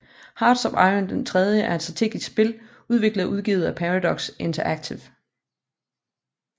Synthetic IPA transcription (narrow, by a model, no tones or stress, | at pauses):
hɑ̈ːd̥sɒ̽bɑɪənd̥ent͡sʰʁɛð̞ˠjəʔæɐed̥sdʁɑ̈t͡sʰe̝̰ːɡ̥isɡ̥sb̥e̝l | uðˠʋe̝ɡ̥ləʔuð̞ˠɡ̥ḭːð̩ˠæpʰæʁɑdɒ̽ɡ̥sʔe̝nt͡sʰɐʔæɡ̥t͡sʰiʊ